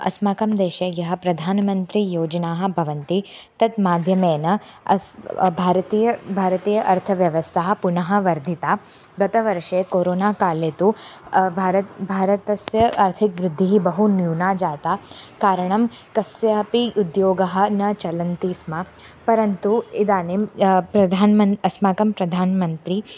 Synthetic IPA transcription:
ɐ̰smaːkɐmd̪eːʃejɐɦɐpɾɐd̪ʱaːnɐmɐnt̪ɾijoːd͡ʒɐnaːɦɐ̆bʱɐʋɐnt̪it̪ɐt̪maːd̪ʱjɐmeːnɐ | ɐ̰bʱaːɾɐt̪iːjɐbʱaːɾɐt̪iːjɐʔɐɾt̪ʰɐʋjɐʋɐst̪ʰaːɦɐ̆punɐɦɐ̆ʋɐɾd̪ʱit̪aː | ɡɐt̪ɐʋɐɾʂeːkoːɾoːnaːkaːlet̪ubʱaːɾɐt̪bʱaːɾɐt̪ɐsjɐʔɐɾt̪ʰikʋɾɪd̪ʱːiɦibɐɦunjuːnaːd͡ʒaːt̪aːkaːɾɐɳ̃ɐm | kɐsjaːpiud̪joːɡɐɦɐ̆nɐt͡ʃɐlɐnt̪iːsma | pɐɾɐnt̪uid̪aːnempɾɐd̪ʱaːnmɐɐsmaːkɐmpɾɐd̪ʱaːnmɐnt̪ɾi

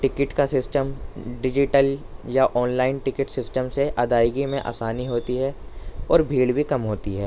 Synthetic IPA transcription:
ʈɪkɪʈkasɪsʈəmɖɪd͡ʒɪʈəljaʔɔːnlaːɪnʈɪkɪʈsɪsʈəmseʔɐd̪aːɪɡimẽʔa̰ːsaːniɦoːt̪iɦɛːɔːɾbʱiːɽbʱikɐmɦoːt̪iɦɛː

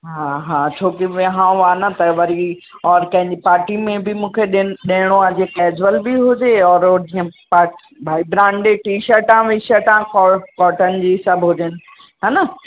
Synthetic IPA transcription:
ɦaɦãːt͡ɕʰoːkiʋɦãːaːnɐt̪ɐʋɐɾi | ɔːɾkɐ̃ɦɪ̃ɲd͡ʑipaːɾʈimẽbɪmũːkʰeɗɗeːɽ̃oɐd͡ʑekɛːd͡ʑʋəlbɪɦʊd͡ʑeɔːɾd͡ʑĩːə̃paːɾʈibʱaːibɾãːɳɖeʈiːʃəɾʈãːʋɪʃəɾʈãkɔkɔːʈənɪ̆d͡ʑiːsɐbʱɦʊd͡ʑenɪ̆ | ɦaːnɐ

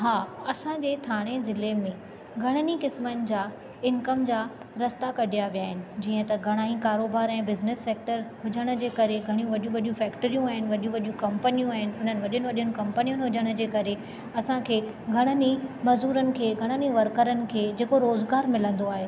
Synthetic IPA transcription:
ɦaːɐsãd͡ʑeːt̪ʰaːɽ̃ezɪlemẽ | ɡʱɐɽ̃ənikɪsmənɪ̆d͡ʑaː | ɪnkɐmd͡ʑaː | ɾɐst̪akɐɗʱijaʋjaːɦɪnɪ̆d͡ʑiːə̃t̪ɐɡʱɐɽ̃aːĩkaːɾoːbaːɾɛ̃ːbɪznɪsːeːk̚ʈəɾɦʊd͡ʑəɽ̃ʊ̆d͡ʑeːkɐɾeɡʱɐɽ̃ijũʋɐɗjũʋɐɗjũfɛːkʈəɾijũaːɦɪnɪ̆ʋɐɗijũʋɐɗijũkɐ̃mpənijũaːɦɪnɪ̆ɦʊn̤ənɪʋɐɗʊnɪʋɐɗiʊnɪ̆kɐ̃mpənijunɪɦʊd͡ʑəɽ̃ʊ̆d͡ʑeːkɐɾe | ɐsãkʰeː | ɡʱɐɽ̃ənimɐzuːɾənɪ̆kʰeːɡʱɐɽ̃əniʋɐɾkəɾənɪ̆kʰeːd͡ʑeːkoɾoːzɡaːɾmɪlə̃nd̪oaːɦeː

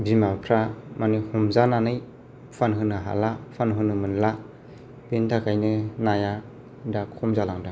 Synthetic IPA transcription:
bimapʰɾamanihumzananɯj | pʰanɦɯnɯɦa̰lapʰanɦɯnɯmɯnla | pentʰakʰajnɯnaja | dakʰɔmzalaŋda

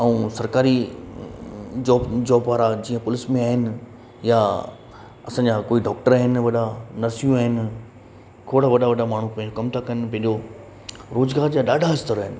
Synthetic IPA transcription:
ɐũsɐɾkaːɾi | d͡ʑɔːbd͡ʑɔːbʋaːɾad͡ʑiːə̃pʊlɪsmẽaːɦɪnɪ̆ | ja | ɐsãːɲd͡ʑakoːiɖɔːk̚ʈəɾaːɦɪnʋɐɗanɐɾsijũaːɦɪnɪ̆ | kʰoːɽaʋɐɗʱaʋɐɖamaːɳ̤upɐ̃ɦɪ̃d͡ʑokɐmt̪ʰakɐnpɐ̃ɦɪ̃ɲd͡ʑo | ɾoːzɡaːɾd͡ʑaːɗaːɖʱaɪst̪əɾaːɦɪnɪ̆

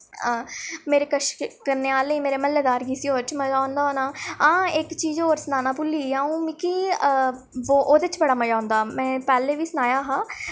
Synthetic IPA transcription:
meːɾeːkəʃkəɾneːaːleiːmeːɾeːməlːeːd̪aːɾɡiːsiːoːɾt͡ʃməjaːʊnd̪aːoːnaːãːɪkt͡ʃiːd͡ʒoːɾsənaːnaːpʊliːaːũːmɪkiː | oːʔoːd̪eɪt͡ʃbəɽaːməjãːʊnd̪aːmɛ̃ːpɛːleːʋiːsənaːjaːɦaː

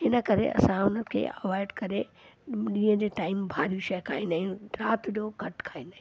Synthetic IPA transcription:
ɦɪnə̆kɐɾḛʔɐ̰sãʊnəkʰḛːɐʋaːɪɖkɐɾeɗĩːə̃d͡ʑeːʈaːɪmbʱaːɾijũʃɐjkʰaːĩnd̪aːɦĩɾaːt̪ɗoɡʱɐʈkʰaːĩnd̪aɦĩ

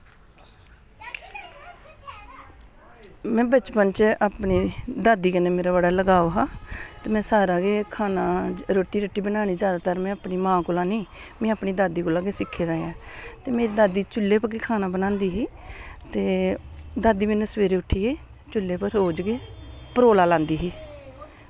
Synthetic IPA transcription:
mɛ̃ːbət͡ʃpənt͡ʃaːpɳiːd̪aːd̪iːkəneːmeːɾaːbəɽaːləɡaːoɦaːt̪eːmɛ̃ːsaːɾaːɡeːkʰaːnaːɾoːʈːiːɾəʈːiːbənaːniːzjaːd̪aːt̪aːɾmɛ̃ːapniːmãːkʊlaːniː | mɛ̃ːaːpniːd̪aːd̪iːkolaːɡeːsɪkʰːeːd̪aːjaːt̪eːmeːɾiːd̪aːd̪iːt͡ʃʊlːeːpəkeːkʰaːnaːbənãːnd̪iːɦiːt̪eːd̪aːd̪iːmenesʋeːɾeːʊʈʰiːeː | t͡ʃʊlːeːpəɾɦoːd͡ʒɡeːpəɾoːlaːlãːnd̪iːɦiː

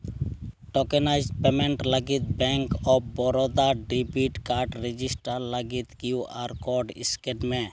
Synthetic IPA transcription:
ʈokenaɪzpemeɳʈləɡit̪̚bɛ̃ŋkɔbɔɾɔd̪aɖibiʈkaɾʈɾed͡ʒisʈəɾləɡit̪kjuʔaɾkɔɖɪ̰skenmẽ

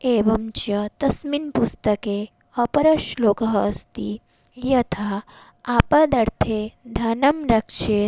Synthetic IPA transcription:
eːʋɐmt͡ʃɐt̪ɐsminpust̪ɐke | ɐpɐɾɐʃloːkɐɦːst̪i | jɐt̪ʰaː | aːpɐd̪ɐɾt̪ʰeːd̪ʱɐnɐmɾɐkʃe

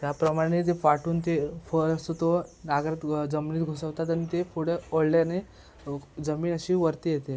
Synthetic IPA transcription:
t̪japɾəmaɽ̃et̪efaʈuːnt̪efəɾəst̪ot̪onaɡɾat̪d͡zəmniːt̪ɡʱosəʋt̪at̪aɽ̃it̪efʰuɽeoɽlane | d͡zəmiːnəɕiːʋəɾt̪iːjet̪e

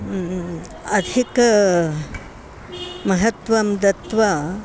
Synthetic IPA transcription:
ɐd̪ʱik | mɐɦɐt̪ʋɐmd̪ɐt̪ʋɐ

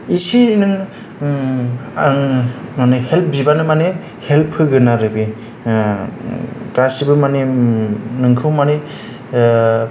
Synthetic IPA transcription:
isiːnɯŋ | manehelp̚ʰbibanɯmane | helpʰɯɡɯnaɾɯbi | kɾasibɯmane | nɯŋkʰɯwmane

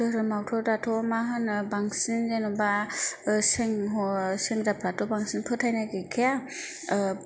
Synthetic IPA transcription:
ɯɾɯmawtʰɔdatʰɔmaɦɯnbaŋsinzenɔba | seŋɦɔseŋdapʰɾatʰɔbaŋsinpʰɯtʰajnaɡekʰija

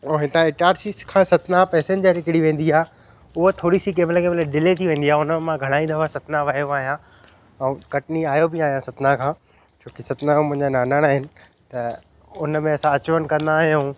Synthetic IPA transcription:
oɦɪt̪ãɪʈaːɾsiskʰãːsɐt̪napɛːsẽnd͡ʑəɾɪkɪɽiʋẽːn̆d̪iaːɦ | ʊɦot̪ʰoːɽisik̬eːmɪlekʰeːmɐləɖɪlet̪ʰiʋẽːn̆d̪iaːɦʊnəmãɡʱɐɽ̃aːĩnd̪aʋasɐt̪naʋɐɦijoaːɦijã | ɛ̃kɐʈniaːjobɪaːɦijãsɐt̪nakʰãː | t͡ɕoːkisɐt̪namʊ̃ɦɪ̃ɲd͡ʑanaːnaːɽ̃aːɦɪnɪ̆ | t̪ɐ | ʊnəmẽɐsãɐt͡ɕʋənkɐ̃nd̪aːɦjũ

